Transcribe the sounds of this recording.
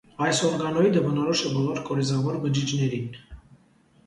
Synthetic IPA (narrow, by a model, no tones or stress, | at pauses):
ɑjsɔɾɡɑnɔid̪əbənɔɾɔʃɛbɔlɔɾkʼɔɾizɑvɔɾbəd͡ʒid͡ʒnɛɾin